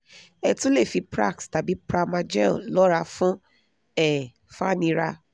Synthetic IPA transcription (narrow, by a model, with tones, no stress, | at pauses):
ɛ˧tũ˦le˦˨fi˨˧pɾa̰˦˨ksta˨bi˨˦pɾa˦˧mã˧d͡ʒɛ̰̃˦˨lɔ˦ɾa˧fũ˦ | ɛ˦˨ | fa˦˨nĩ˧ɾa˧